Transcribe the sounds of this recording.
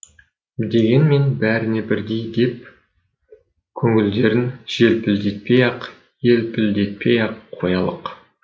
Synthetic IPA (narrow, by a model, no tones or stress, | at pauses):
d̪e̞ɡʲe̞nme̞nbæɾɪne̞bɪɾd̪e̞jd̪e̞p̚ | kʲʰɵŋɪld̪e̞ɾɪnʒ̥e̞lpɪld̪e̞t̪̚pejɑq | je̞lpʰɪld̪e̞t̪̚pʰejɑqʰːo̞jɑlˠəq